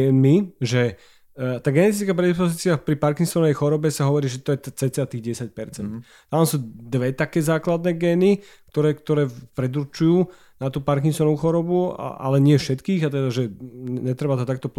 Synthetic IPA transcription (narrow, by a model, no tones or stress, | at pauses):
ɛmiʒɛ | t̪aːɡɛnɛt̪̬it͡skapɾɛd̪ispɔziːt͡siapɾipaɾkiŋsɔnɛjxɔɾɔbɛsaɦɔʋɔɾiːʒɛt̪ɔjɛt̪at͡sɛːt͡sɛat̪iːɣɟɛsac̚pɛɾt͡sɛnt̪ | t̪amsuːd̪ʋɛt̪akɛːzaːklad̪nɛɡɛːni | kt̪ɔɾɛːkt̪ɔɾɛːpɾɛd̪uɾt͡ʃujuː | nat̪uːpaɾk̬iŋsɔnuːxɔɾɔbṵʔa̰lɛɲɪɛfʃɛt̪kiːɣat̪ɛd̪aʒɛɲɛt̪ɾɛbat̪ɔt̪ak̚t̪ɔp